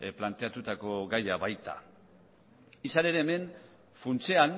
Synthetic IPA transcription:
plant̪e̞at̪ut̪ako̞ɡajaβajt̪a̰ | isane̞ɾeːme̞n | funt͡sean

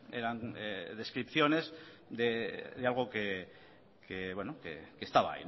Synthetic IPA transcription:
ḛɾaneðe̞skɾipθjo̞ne̞z | d̪e̞ðealɣ̞o̞ke | kʰeβwenokḛkest̪aβa̰ḭ

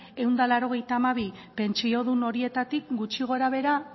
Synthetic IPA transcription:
e̞wnd̪alaɾo̞ɣ̞e̞jt̪aːmaβ̞i | pe̞nt͡ʃio̞ðuno̞ɾie̞t̪at̪ik̚ɡut͡ʃiɣ̞o̞ɾaβ̞e̞ɾa

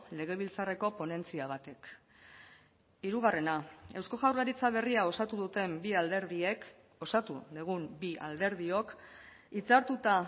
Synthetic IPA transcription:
le̞ɣ̞e̞β̞ilt͡sare̞ko̞po̞ne̞nt͡siaβ̞at̪e̞k | iɾuɣ̞are̞nae̞wsko̞ɣawɾlaɾit͡saβ̞e̞riao̞sat̪uðut̪e̞mbiald̪e̞ɾðie̞k | o̞sat̪uðeɣ̞umbiʔa̰ld̪e̞ɾð̞io̞k | it͡saɾt̪ut̪a

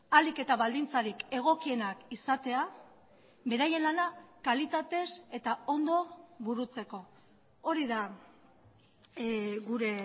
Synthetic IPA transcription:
alike̞t̪aβald̪int͡saɾike̞ɣ̞o̞kie̞nakisat̪e̞a | βe̞ɾaje̞nlanakalit̪at̪e̞se̞t̪ao̞nd̪o̞βuɾut͡se̞ko̞ | o̞ɾiða | ɣuɾe̞

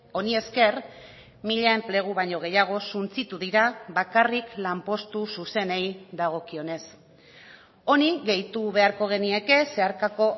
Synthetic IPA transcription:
o̞nie̞ske̞ɾ | miʎaemple̞ɣ̞uβaɲo̞ɣ̞e̞jaɣ̞o̞sunt͡sit̪uðiɾaβakariklampo̞st̪ususe̞nejd̪aɣ̞o̞kio̞ne̞s | o̞niɣe̞jt̪uβe̞aɾko̞ɣ̞e̞nie̞ke̞se̞aɾkako̞

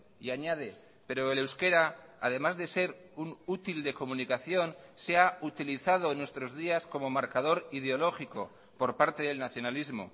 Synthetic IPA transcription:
iaɲað̞e̞ | pe̞ɾo̞ele̞wske̞ɾaað̞e̞mazðe̞se̞ɾunut̪ild̪e̞ko̞mũnikaθjo̞nseaut̪iliθað̞o̞enwe̞st̪ɾo̞zðiasko̞mo̞maɾkað̞o̞ɾið̞eo̞lo̞xiko̞̰ | po̞ɾpaɾt̪e̞ðe̞lnaθjo̞nalizmo̞̰

